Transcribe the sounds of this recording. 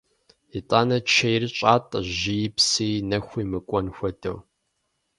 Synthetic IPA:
itʼaːnɐt͡ʃʰɐjrɨɕʼaːtʼʒɪjɪpsiːnɐxʷiːmɨkʷʼɔnxʷɔdɐ̰w

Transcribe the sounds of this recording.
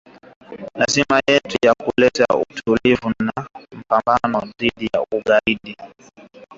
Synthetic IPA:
lazimajɛtujakulɛta̰ṵtʰulivunam̩pambanɔðiɗija̰uɠaiɗi

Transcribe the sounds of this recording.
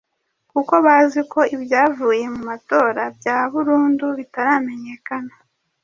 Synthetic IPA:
kuko̞βaziko̞ibjaːvuːje̞mumato̞ːɾabjaːβuɾuːnduβitaɾaːme̞ɲe̞kana

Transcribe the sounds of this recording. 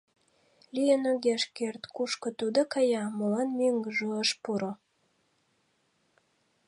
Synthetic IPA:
lʲijənøɡʲeʃkert̪kuʃkə̆t̪ud̪ə̆kɑjɑmolɑnmeŋɡəʒuəʃpuɾo

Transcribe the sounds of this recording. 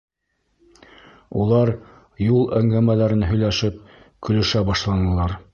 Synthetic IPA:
ulˠɑɾ | julˠæŋɡæmælæɾɘnɦɵ̆jlæʃɘp̚ | kɵ̆lɵ̆ʃæbɑʃlˠɑnɤ̆lˠɑɾ

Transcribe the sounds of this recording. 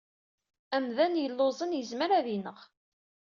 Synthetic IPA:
æmðænjəlːozˤənjəzməɾæðinəʁ

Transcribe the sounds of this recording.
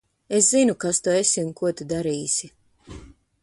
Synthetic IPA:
eszinukast̪uesʲiunkuɔt̪ud̪aɾiːsʲi

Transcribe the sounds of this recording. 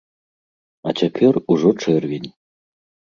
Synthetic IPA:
at͡sʲapʲɛruʐɔt͡ʂɛrvʲinʲ

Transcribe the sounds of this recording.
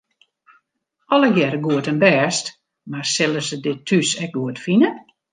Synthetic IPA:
ɔlˠəɡjɛɾəɡuətənbɛːst | marsɪlˠəsədɪtʰːysɛk̚ɡuətfinə

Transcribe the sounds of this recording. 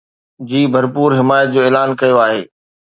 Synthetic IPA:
d͡ʑiːbʱɐɾpuːɾɦɪmaːjət̪̚d͡ʑoːeːlaːnkɐjoaːɦeː

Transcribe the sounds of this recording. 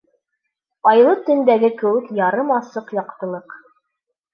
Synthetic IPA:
ɑjlˠɤt̪ɵ̆nd̪æɡɘkɘ̆wɘkjɑɾɤmɑsɤqjɑqt̪ɤ̆lˠɤq

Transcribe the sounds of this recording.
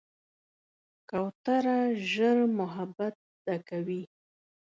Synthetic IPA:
kawt̪aɾaʒəɾmʊɦabat̪̚ | d̪̥akawi

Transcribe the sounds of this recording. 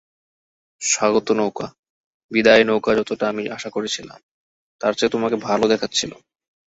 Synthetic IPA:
ʃaɡot̪onowka | bid̪aenowkad͡ʑɔt̪oʈaamiʔaʃakoɾet͡ɕʰila̰m | t̪aɾt͡ɕat̪omakebʱalod̪ɛkʰatːɕʰilo̰

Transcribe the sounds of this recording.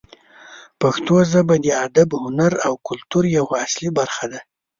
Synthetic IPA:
paxt̪ozəbad̪əad̪abhʊnaɾawkʊlt̪uɾjawaaslibaɾxad̪a

